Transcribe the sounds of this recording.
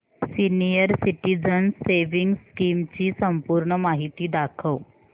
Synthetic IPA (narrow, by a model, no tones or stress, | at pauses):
sinijəɾsiʈid͡zənseʋiŋɡskimt͡ɕiːsəmpuːɾɳəmaɦit̪iːd̪akʰəʋ